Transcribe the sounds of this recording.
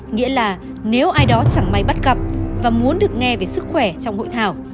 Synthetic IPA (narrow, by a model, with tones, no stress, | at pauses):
ŋḭ˧˥əlaː˨˩ | ne˨˦wʔaː˧jɗɔ˨˦t͡ɕa˧˩ŋma˨˧˩jɓt̚ɣə˨˩p̚vaː˨˩mu˨˦ənɗɨ˨˩ək̚ŋɛ˧ve˨˩sɨ˦˥k̚xwɛ˧˩t͡ɕɔ˧wŋ͡mho̰˧˨jt̪ʰaː˧˩w